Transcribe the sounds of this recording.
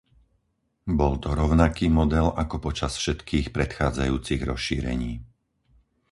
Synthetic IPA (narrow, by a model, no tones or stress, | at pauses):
bɔlt̪ɔɾɔʊnakiːmɔd̪ɛlakɔpɔt͡ʃasfʃɛt̪kʰiːxpɾɛt̪xaːd͡zajuːt͡siɣɾɔ̰sʃiːɾɛ̰ɲiː